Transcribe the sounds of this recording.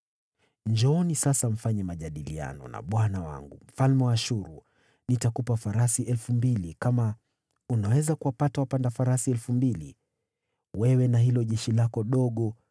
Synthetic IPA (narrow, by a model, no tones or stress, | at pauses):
ɲd͡ʒɔnisasam̩faɲɛmaʄaɗilia̰nɔ̰na̰ɓwanawa̰ŋɡṵm̩falmɛwaːʃuɾu | nitakupafaɾasiʔɛlfumbilikama | unawɛzakuwapatawapandafaɾasiɛlfumbilḭ | wɛwɛnaɦilɔʄɛʃilakɔɗɔɠɔ